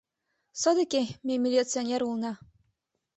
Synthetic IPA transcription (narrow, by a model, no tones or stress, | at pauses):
sɔd̪ekʲemʲemʲilʲitt͡sɨonʲeɾulˠnɑ